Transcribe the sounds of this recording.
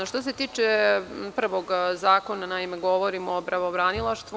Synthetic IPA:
ʃt̪os̬e̞t̪iːt͡ʃepr̩ʋo̞ɡzaːko̞nanaimeɡo̞ʋo̞ɾimoːbɾaʋobɾanilˠaʃt̪ʋu

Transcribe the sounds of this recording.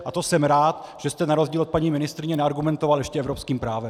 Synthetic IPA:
ʔat̪osɛmɾaːt̪ | ʒ̥ɛst̪ɛnaɾozɟiːlot̪̚paɲiːmɪnɪst̪ɾɪɲɛnɛaɾɡumɛnt̪ovaljɛʃcɛɛvɾopskiːmpɾaːvɛm

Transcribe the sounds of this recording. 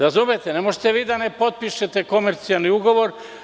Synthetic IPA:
ɾazumet̪ene̞mo̞ʒet̪eʋiːd̪ane̞po̞t̪̚piʃet̪e̞ko̞meɾt̪sialˠniuɡo̞ʋo̞ɾ

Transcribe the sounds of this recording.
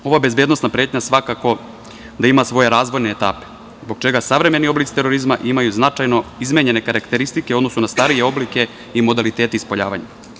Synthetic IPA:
o̞ʋabe̞zbje̞ːd̪no̞snapɾe̞ːt̪ɲasʋakako̞ | d̪aimasʋo̞je̞ɾaːzʋo̞jneːt̪a̰ːpe | zbo̞ɡt͡ʃe̞ɡasaʋɾe̞me̞nio̞blit̪si̥t̪e̞ɾo̞ɾizmaʔimajuznat͡ʃajno̞izmeɲe̞ne̞kaɾakt̪e̞ɾist̪ikeod̪no̞sunast̪aɾijeo̞blike̞ | imo̞d̪alit̪e̞ːt̪eispo̞ʎa̰ːʋaɲa̰

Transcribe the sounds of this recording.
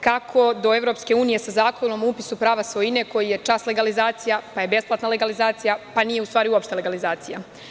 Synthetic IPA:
kakʰo̞d̪o̞e̞ʋɾo̞pske̞uːnije̞sazaːko̞nomupi̥supɾaːʋasʋo̞jine̞ko̞jije̞t͡ʃasle̞ɡalizaːt̪sijapaje̞be̞splˠat̪naleɡalizaːt̪sijapanije̞ust̪ʋaːɾiuopʃt̪ele̞ɡalizaːt̪sija

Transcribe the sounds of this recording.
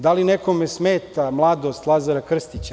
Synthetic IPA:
d̪alinekomesmeːt̪amlˠad̪ost̪lˠazaɾakr̩st̪it͡ɕa

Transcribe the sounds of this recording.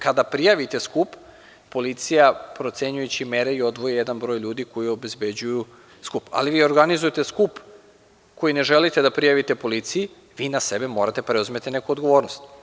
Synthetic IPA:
kad̪apɾijaʋit̪e̞skupː | o̞lit̪sijapɾo̞t̪se̞ɲujut͡ɕimeɾeio̞d̪ʋojejed̪anbɾo̞jʎuːd̪iko̞jio̞be̞zbe̞d͡ʑuju | skupa̰liʋiːo̞ɾɡanizujet̪eskup | ko̞jine̞ʒelit̪ed̪apɾijaʋit̪e̞po̞lit̪siji | ʋiːnasebe̞mo̞ːɾat̪e̞pɾe̞uzme̞t̪inekuod̪ɡoʋo̞ːɾnost̪

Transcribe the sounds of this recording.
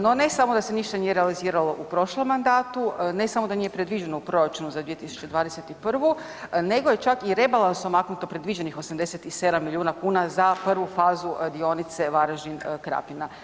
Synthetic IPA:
no̞ne̞samod̪ase̞niʃt̪anijeɾealiziːɾalo̞ʔupɾo̞ʃlˠomːand̪aːt̪une̞samod̪aniːje̞pɾe̞d̪ʋiːd͡ʒe̞noupɾo̞ɾat͡ʃunuzad̪ʋiet̪isu̥t͡ʃe̞d̪ʋaːd̪eset̪ipr̩ʋu | ne̞ɡo̞je̞t͡ʃakiɾe̞balˠansomaknut̪o̞pɾe̞d̪ʋiːd͡ʑe̞nixo̞samd̪eset̪ise̞d̪amːilʎʲiuːnakuːnazapr̩ʋufaːzud̪io̞nit̪se̞ʋaɾaʒinkɾa̰pina

